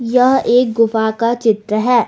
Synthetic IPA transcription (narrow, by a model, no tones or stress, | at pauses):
jɐɦeːk̚ɡʊfakat͡ʃɪt̪ɾəɦɛː